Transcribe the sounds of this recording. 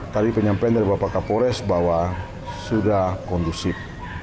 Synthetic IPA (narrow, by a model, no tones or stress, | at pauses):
t̪adipəɲampaand̪aɾibapakapɔɾɛsbawa | sudahkɔndusɪp̚